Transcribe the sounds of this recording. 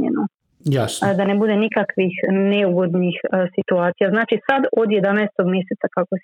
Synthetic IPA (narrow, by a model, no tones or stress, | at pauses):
ḛnu | jasd̪anebud̪e̞nikakʋixneuɡo̞d̪nixsit̪uaːt̪sijaznaːt͡ʃisad̪od̪je̞d̪anaest̪o̞ɡmje̞set̪sakako